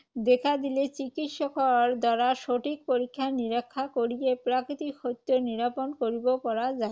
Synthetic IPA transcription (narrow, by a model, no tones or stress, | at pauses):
d̪ekʰad̪ilet͡ɕikit̪ʃɔkɔɾd̪ɔɾaʃoʈʰik̚poɾikʰːaniɾakʰːakoɾijepɾakit̪ikʰot̪ːoniɾaponkoɾibopɔɾad͡ʑae